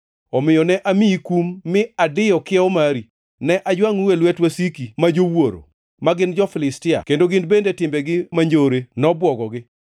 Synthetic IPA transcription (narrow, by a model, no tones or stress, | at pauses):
ɔmɪjɔnɛʔamiikumːɪadɪjɔkɪɛɔmaɾi | nɛʔad͡ʒwaŋuwelwɛtwasikimad͡ʒowoɾo̰ | maɡɪnd͡ʒɔfɪlɪstɪa̰kendoɡɪndbendetɪmbɛɡɪmaɲd͡ʒoɾenɔbwɔɡɔɡɪ